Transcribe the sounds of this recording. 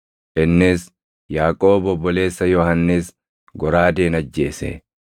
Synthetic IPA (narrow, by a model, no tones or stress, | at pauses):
ʔɪnːɪs | jaːkʼoːbɔbːɔle̞ːsːɐjɔhɐnːɪs | ɡɔɾaːd̪eːnɐd͡ʒːe̞ːsḛ